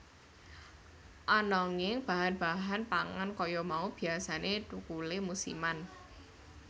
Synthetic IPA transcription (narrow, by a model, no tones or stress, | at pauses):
ʔɔnɔŋɪŋb̥a̤ɦanb̥a̤ɦanpaŋankɔjɔmaub̥i̤asanetukulemusḭman